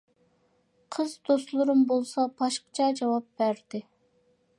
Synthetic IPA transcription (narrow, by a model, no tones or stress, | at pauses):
qʰəzd̪oslˠʊɾumbolˠsɑbɑʃqə̥t͡ʃʰɑd͡ʒɑwɑp̚bæɾd̪ɪ